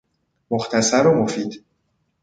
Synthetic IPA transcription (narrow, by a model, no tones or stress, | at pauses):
moxt̪ʰæsæɾomofiːd̪̥